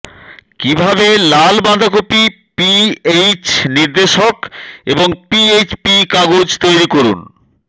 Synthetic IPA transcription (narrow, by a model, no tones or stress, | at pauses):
kibʱabelalbãnd̪ʱakopi | piejt͡ɕniɾd̪eʃokeboŋpiejt͡ɕpikaɡod͡ʑt̪ojɾikoɾṵn